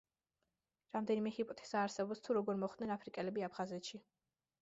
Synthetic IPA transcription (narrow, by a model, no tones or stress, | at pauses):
ɾamd̪ɛnimɛhipʼɔt̪ʰɛ̥saːɾsɛbɔpst̪ʰuɾɔɡɔɾmɔχd̪̥nɛnapʰɾikʼɛlɛbiapʰχazɛt̪ʃi